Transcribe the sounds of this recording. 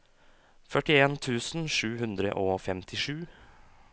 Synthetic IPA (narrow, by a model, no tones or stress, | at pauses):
fœʈɪeːnt̪ʰʉːsn̩ʂʉːɦʉnd̪ɾə̰ʔoːfɛmt̪ʰɪʂʉː